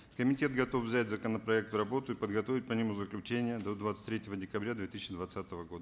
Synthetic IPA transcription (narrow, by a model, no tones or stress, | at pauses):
kəmʲɪtʲe̞t̪ɡɐt̪o̞fvzʲætʲzəkənəpɾɐek̚t̪ɾɐbot̪ʊipəd̪ɡɐt̪o̞vʲɪt̚ʲpɐnʲimʊzəklʲʉt͡ɕenʲɪjəd̪o̞d̪vat̪sə̥tʲt̪ʲɾʲetʲɪvədʲɪkɐbɾʲad̪vʲet̪isʲɪɕɪd̪vɐt̪sat̪əvəɡo̞d̪ə